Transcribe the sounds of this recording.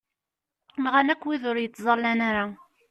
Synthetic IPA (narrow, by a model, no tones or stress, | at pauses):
mʁanækʷːwiðʊɾjət͡sːzˤɑlːænaɾa